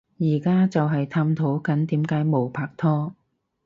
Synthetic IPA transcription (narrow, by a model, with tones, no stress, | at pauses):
jiː˨˩kaː˥t͡sɐ˨wɦɐ˨jt̪ʰaː˧mt̪ʰo˨˥wkɐ˨˥nt̪iː˨˥mkaː˨˥jmo˨˩wpʰaː˧k̚t̪ʰɔː˥